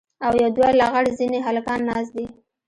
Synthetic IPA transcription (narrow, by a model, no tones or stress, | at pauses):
awjawd̪wɑjlaɣaɽzineɦalkɑnːɑsd̪i